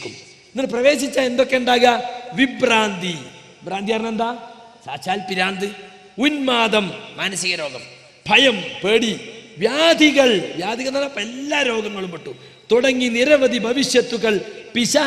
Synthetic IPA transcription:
niɭprɐʋe̞ːɕit͡ɕːaend̪o̞kːe̞uɳɖaːɣɐʋibraːnd̪ʱi | ibraːnd̪ijarnːend̪aː | sa̰ːt͡ɕaːlpiɾaːnd̪ɨ | unmaːd̪ɐmːaːnɐsiɣɐɾo̞ːɡɐm | bʱɐjɐmpeːɽiʋjaːd̪ʱiɣɐɭʋjaːd̪ʱiɣɐɭnalapelːaːɾo̞ːɡɐŋːɐɭumpɐʈːu | t̪uɽɐŋːiniɾɐʋɐd̪ʱibʱɐʋiɕjɐt̪ːuɣɐɭpiɕa

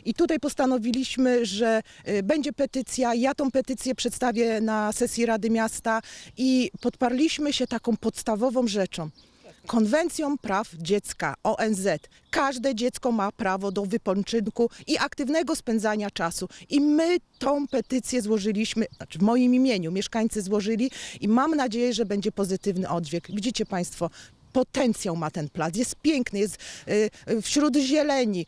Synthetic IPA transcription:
it̪ut̪ajpɔst̪anɔvʲilʲiɕmɘʐɛbɛɲd͡ʑɛpɛt̪ɘt̪sʲjajat̪ɔ̃w̃pɛt̪ɘt̪sʲjɛpʂɛt̪st̪avʲjɛnasɛsʲjiɾad̪ɘmʲjast̪aʔipɔt̪paɾlʲiɕmɘɕɛt̪akɔ̃w̃pɔt̪st̪avɔvɔ̃w̃ʐɛt͡ʂɔ̃w̃ | kɔnvɛnt̪sʲjɔwpɾavd͡ʑɛt̪ska̰ʔɔʔɛnzɛt̪ | kaʐd̪ɛd͡ʑɛt̪skɔmapɾavɔd̪ɔvɘpɔnt͡ʂɘnkuiʔakt̪ɘvnɛɡɔspɛnd̪zaɲat͡ʂasuʔimɘt̪ɔ̃w̃pɛt̪ɘt̪sʲjɛzwɔʐɘlʲiɕmɘavmɔjimimʲjeɲumʲjɛʂkaɲt̪sɘzwɔʐɘlʲiimamnad͡ʑejɛʐɛbɛɲd͡ʑɛpɔzɘt̪ɘvnɘʔɔd̪vʲjɛkvʲid͡ʑit͡ɕɛpaj̃st̪fɔ | pɔt̪ɛnt̪sʲjawmat̪ɛnplat̪̬jɛst̪̚pʲjɛŋknɘjɛst̪ | fɕɾud̪ʑɛlɛɲi

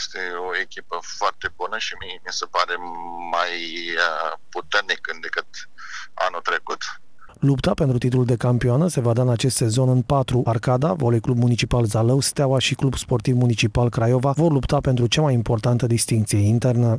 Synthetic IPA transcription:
st̪eoekʲipəfoart̪e̞bunəʃimimisepaɾe̞maj | put̪ernikəd̪ekɨt̪ | a̰nut̪ɾekut̪ | lupt̪ape̞nt̪ɾut̪it̪ululd̪e̞kampioanəse̞vad̪aɨnat͡ʃe̞st̪se̞zo̞nɨnpat̪ɾuʔarkad̪avolejklub̚munit͡ʃipalzaləwst̪eawaʃiklubspo̞rt̪ivmunit͡ʃipalkɾajo̞vavo̞rlupt̪ape̞nt̪ɾut͡ʃamajimpo̞rt̪ant̪əd̪ist̪iŋk̚t̪sije̞int̪e̞rnə

